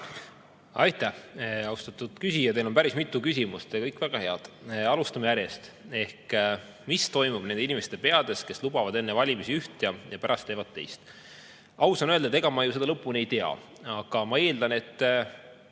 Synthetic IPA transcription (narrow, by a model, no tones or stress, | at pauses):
ɑjt̪ːæhɑwst̪ɑt̪ːˑud̪̥kysijɑt̪elo̞mpæɾismit̪ːˑukysimust̪ɑkɤjkːˑvæɡ̥ɑhe̞ɑd̪̥ɑlust̪ɑmejæɾje̞st̪ | e̞hk | mist̪o̞jmub̥ne̞nd̪einimest̪epe̞ɑd̪̥e̞ske̞slubɑvɑd̪e̞nːevɑlʲimisiyht̪jɑjɑpæɾʔɑst̪ːe̞ːvɑd̪̥̚t̪ːe̞̰jst̪ | ʔɑwsɑnøld̪ɑe̞ɡ̥ɑmɑjuse̞d̪ɑlɤpːˑunejt̪eɑ̰ | ɑɡ̥ɑmɑe̞ːld̪̥ɑne̞t̪ː